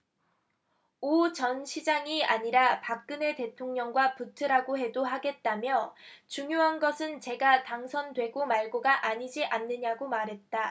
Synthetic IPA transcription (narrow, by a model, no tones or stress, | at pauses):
ot͡ɕʌnɕʰid͡ʑaŋiaɲiɾapak̚k͈ɯne̞te̞tʰoŋɲʌŋɡwaputʰɯɾaɡoɦe̞doɦaɡe̞t̚t͈amjʌt͡ɕuŋjoɦanɡʌsʰɯnt͡ɕe̞ɡataŋsʰʌndwe̞ɡomaɭɡoɡaʔaɲid͡ʑiʔanːɯɲaɡomaɾɦe̞t̚t͈a